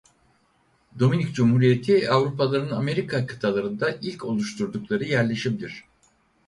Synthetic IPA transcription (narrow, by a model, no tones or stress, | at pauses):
d̪o̞minicd͡ʒumhuːɾijet̪ʰiavɾupalˠaɾɯname̞ɾikʰakʰɯ̥t̪ʰalˠaɾɯnd̪aʔilʲcʰo̞lˠuʃt̪ʰuɾd̪uklˠaɾɯjæɾlʲe̞ʃimd̪iɾ̥